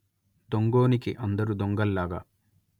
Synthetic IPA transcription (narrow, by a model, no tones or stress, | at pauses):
d̪oŋɡoːnikiʔɐnd̪ɐɾud̪oŋɡɐlːaːɡɐ̰